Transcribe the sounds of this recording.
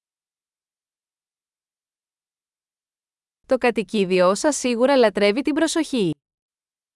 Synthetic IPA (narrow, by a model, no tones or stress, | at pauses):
t̪o̞kɐt̪iciðio̞sɐsːiɣuɾɐlɐt̪ɾe̞vit̪ibɾo̞so̞çi